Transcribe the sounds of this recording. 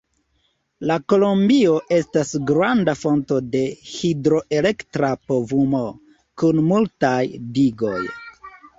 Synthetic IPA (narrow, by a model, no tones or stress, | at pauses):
lako̞lombio̞ʔe̞stasɡɾandafo̞nto̞de̞hidɾo̞ʔe̞le̞ktɾapo̞vumo̞ | kunmultajdiɡo̞j